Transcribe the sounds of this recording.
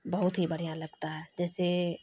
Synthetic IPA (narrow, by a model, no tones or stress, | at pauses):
bɐɦʊt̪ɦibɐɽ̤ijãlɐɡt̪aɦɛd͡ʒɛːse